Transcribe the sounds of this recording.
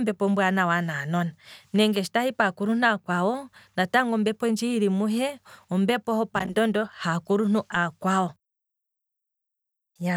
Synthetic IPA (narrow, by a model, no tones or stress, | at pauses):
mbɛpɔmbwanawananɔnanɛŋɡɛʃi̥tahipakuɾunuakwawɔnataŋɡɔmbɛpɔnd͡ʒiiɾimuɦɛɔmbɛpɔhɔpandɔndɔhakuɾun̥uʔakwawɔ | a